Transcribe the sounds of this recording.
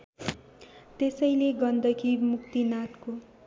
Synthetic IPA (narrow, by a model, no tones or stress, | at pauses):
t̪esʌjleɡʌnd̪ʱʌkʰimukt̪inat̪ko